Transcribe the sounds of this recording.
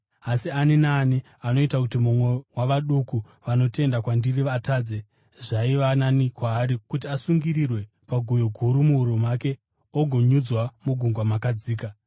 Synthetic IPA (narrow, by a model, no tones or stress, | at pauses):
asianinaːni | ano̞itakutimumwe̞waʋaɗuku | ʋano̞te̞ndakwandiriʋataːd͡ze | ʐaiʋananikwaːɾikutiasuŋɡirirwe̞ | paɡʱujoɡʱuɾumuɦuɾumake̞ | oɡʱo̞ɲud͡zwamuɡʱuŋɡwamakad͡ziːka